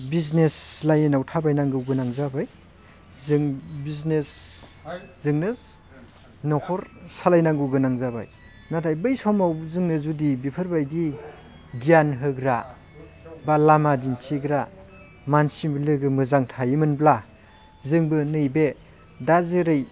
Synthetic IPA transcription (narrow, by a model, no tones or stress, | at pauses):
bizneslajenawtʰabajnaŋɡɯwɡɯnaŋzabaj | zɯŋbiznes | zɯŋnɯz | nɔkʰɔɾsalajnaŋɡɯwɡɯnaŋzaba̰j | natʰajbɯjsɔmawzɯŋnɯzudibipʰɯɾbajdi | ɡijanɦɯɡɾa | balamadintʰiɡɾa | mansimblɯɡɯmɯzaŋtʰajimɯnbla | zɯŋbɯnɯjbe | dazɯɾɯj